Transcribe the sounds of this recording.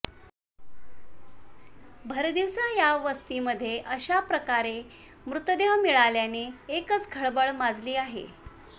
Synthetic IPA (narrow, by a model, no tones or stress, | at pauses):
bʱəɾd̪iʋsajaʋəst̪iːməd̪ʱːjeʔəɕapɾəkaɾe | mɾut̪d̪eʋmiɭaljaneːkət͡sɡʱəɭbəɭmad͡zliːaɦḛ